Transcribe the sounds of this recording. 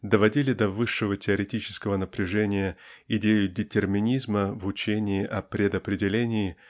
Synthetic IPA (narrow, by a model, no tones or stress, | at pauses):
d̪əvɐdʲilʲɪd̪ɐvɨʂːɨvətʲɪɐɾʲɪtʲit͡ɕɪ̥skəvənəpɾʲɪʐɛnʲɪjəɪdʲejʊdʲɪtʲɪrmʲɪnʲizməvʊt͡ɕenʲɪːʔɐpɾʲɪd̪əpɾʲɪdʲɪlʲenʲɪɪ